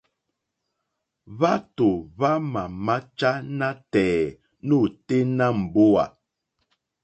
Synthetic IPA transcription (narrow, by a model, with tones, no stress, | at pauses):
βa˦to˨βa˦ma˨ma˦t͡ʃa˦na˦tɛː˨ | nu˦˨te˦na˦m̩˨bo˦a̰˨